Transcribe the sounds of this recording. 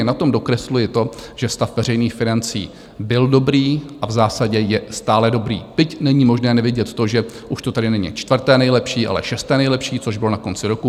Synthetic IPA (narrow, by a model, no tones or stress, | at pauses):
ɛnat̪o̞mdo̞kɾɛslujɪt̪o̞ʒ̥ɛst̪afvɛɾɛjniːxfɪnant͡sḭː | bɪldo̞bɾiːʔavzaːsaɟɛjɛst̪aːlɛdo̞bɾḭːp̪ɪcnɛɲimo̞ʒnɛːnɛvɪɟɛt̪t̪oʒɛ | ʔuʃt̪ot̪adɪnɛɲḭt͡ʃt̪vrt̪ɛːnɛjlɛpʃiːʔa̰lɛ̰ʃɛst̪ɛːnɛjlɛpʃiːt͡so̞ʒbɪlo̞nako̞nt͡sɪɾo̞ku